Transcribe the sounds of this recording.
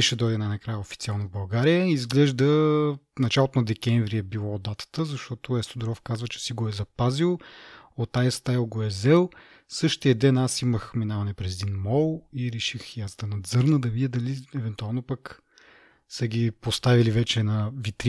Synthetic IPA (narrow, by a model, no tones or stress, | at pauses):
ɛʃɛd̪ɔjd̪ɛnajnɐkɾajəofit̪sialˠnovbɐlˠɡaɾijəizɡlɛʒd̪ənɐt͡ʃalˠot̪onɐd̪ɛkʲɛɱvɾiɛbilˠɔd̪at̪ə̥t̪əzɐʃt̪ɔt̪oɛst̪od̪ʊɾɔfkazvət͡ʃɛ̥siɡoɛzɐpazilˠot̪ajəst̪ajilˠɡoɛzɛlˠ | sɤʃt̪iəd̪ɛnasiməxminavɐnɛpɾɛzɛd̪inmɔlˠiɾɛʃixjazd̪ɐnɐd̪zɤɾnəd̪ɐvid̪id̪ɐliɛvɛnt̪ualˠnopɐk | sɐɡʲipost̪avilivɛt͡ʃɛnɐvit̪ɾ